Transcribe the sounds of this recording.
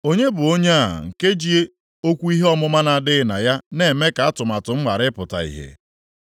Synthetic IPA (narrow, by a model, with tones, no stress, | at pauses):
o˦ɲe˦bʊ˨o˦ɲe˦a̰˨ŋ̩˨ke˦d͡ʒi˦e˦ | o˦kʷu˦i˦ɦe˦ɔ˦mʊ˦ma˦na˨dɪ˦na̰˨ja˦ne˨me˦ka˨a˦tʊ˨ma˨tʊ˨ŋ͡m̩˦ma˨ɾɪ˦pʊ˨ta̰˨ḭ˨ɦḛ˨